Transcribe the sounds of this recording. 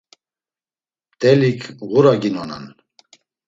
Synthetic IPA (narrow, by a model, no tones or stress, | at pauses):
t̪ʼɛlikʰɣuɾaɡinɔna̰n